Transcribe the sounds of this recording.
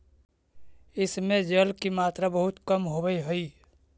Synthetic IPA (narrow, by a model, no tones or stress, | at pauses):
ɪsmẽd͡ʒəlkimaːt̪ɾabəɦʊt̪kəmɦobəiɦʊi